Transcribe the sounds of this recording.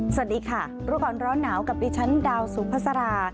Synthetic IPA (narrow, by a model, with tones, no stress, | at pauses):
sa˨˩t̚diː˨˧˩kʰa˥˩ | ɾuː˦˥kɔː˧˩nɾɔː˦˥nːaː˩˦wka˨˩p̚diː˧˩t͡ɕʰa˦˥ndaː˧wsuː˨˩˦pʰa˦˥t̚sa˧ɾaː˧